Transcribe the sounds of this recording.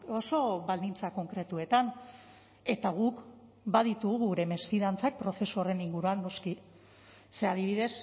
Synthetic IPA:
o̞so̞βald̪int͡sako̞ŋkɾe̞t̪ue̞t̪an | e̞t̪aɣ̞uk | baðit̪uɣuɣuɾe̞me̞sfiðant͡sak̚pɾo̞θe̞suore̞niŋɡuɾuanːo̞ski | se̞að̞iβiðe̞s

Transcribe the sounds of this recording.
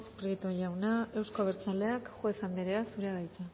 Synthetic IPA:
pɾeɣit̪o̞ɾjawnae̞wsko̞β̞eɾt͡sale̞akxwe̞sand̪eɾeasuɾeaðajt͡sa

